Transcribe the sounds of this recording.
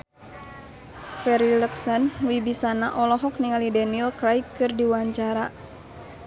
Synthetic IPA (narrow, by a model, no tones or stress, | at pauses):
fɛɾiləksənwibisanaʔɔlɔɦɔk̚niŋalidanilkɾajkːɨrdiwaɲt͡ʃaɾa